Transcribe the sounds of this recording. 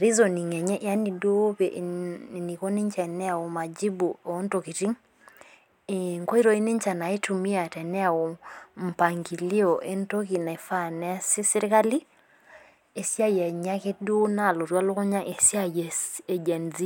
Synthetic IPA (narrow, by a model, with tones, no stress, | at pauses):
ɾi˦zo˨ni˨ŋɛ˨ɲɛ˦ʔa˦ni˨do˦pɛ˨ʔni˨ko˦ni˦ɲt͡ʃɛ˨nɛ˦a˨o˨ma˨d͡ʒi˦bo˨˦nto˨ki˨ti˦ŋ | e˨ŋko˦i˦ɾo˦i˦ni˦ɲt͡ʃa˨na˨i˦tu˨mi˦a˨tɛ˨nɛ˦a˨o˨m̩˨pa˨ŋɡi˨li˦ɔ˨ʔe˦nto˦ki˨na˨e˨fa˦nɛ˦a˦si˦si˦ɾi˦ka˦li˦ | e˨sja˦jɛ˨ɲa˦ke˦do˦na˦˨lo˨ɾwa˦lo˦kɔ˦ɲa˦ʔe˨si˦a˦jɛ˨se˨d͡ʒɛ˨nzi˦